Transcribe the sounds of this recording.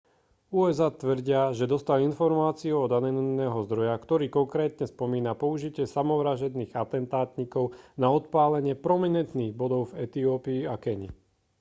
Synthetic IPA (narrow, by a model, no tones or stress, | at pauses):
uːɛzaːt̪ʋr̩ɟɪaʒɛd̪ɔst̪alinfɔɾmaːt͡siuɔd̪anɛnnɛːɦɔzd̪ɾɔjakt̪ɔɾiːkɔŋkɾɛːt̪ɲɛspɔmiːnapɔuʒicɪɛsamɔʋɾaʒɛd̪niːɣat̪ɛnt̪aːt̪ɲikɔʊnaɔt̪paːlɛɲɪɛpɾɔminɛnt̪niːɣbɔd̪ɔʊvɛt̪iɔːpiːakɛɲḭ